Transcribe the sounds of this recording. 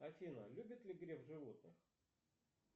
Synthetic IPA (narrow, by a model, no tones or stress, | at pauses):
ɐfʲinəlʲubʲɪt̪lʲɪɡɾʲevʐɨvot̪nɨx